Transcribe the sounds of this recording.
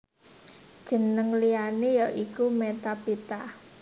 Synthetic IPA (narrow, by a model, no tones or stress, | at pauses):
d̥ʒ̥ə̤nəŋlianejɔʔikumet̪apit̪a